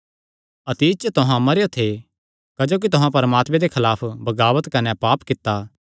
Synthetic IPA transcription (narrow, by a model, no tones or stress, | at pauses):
ɐt̪iːt͡ʃt̪ʊɦãmɐɾejot̪ʰe | kɐd͡ʒoːk̬it̪ʊɦãpɐɾəmaːt̪mẽd̪ekʰɐlaːpʰbɐɡaːʋət̪kɐnepaːpkɪt̪ːa